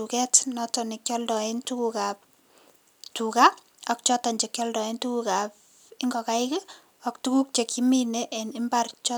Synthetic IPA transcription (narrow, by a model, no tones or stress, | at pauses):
ukɛtnɔtɔnikjɔldɔentukukap̚ | tuka | ɔk̚t͡ʃɔtaɲd͡ʒekjɔldɔentukukap | ɪŋɡɔkaɪkɛ | ɔk̚tukuk̚t͡ʃekimineʔɛnɪmbart͡ʃɔ